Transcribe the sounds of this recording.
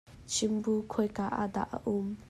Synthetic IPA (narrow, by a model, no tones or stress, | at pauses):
t͡ʃʰimbukʰojkaʔa̰d̪a̰ʔa̰ʔum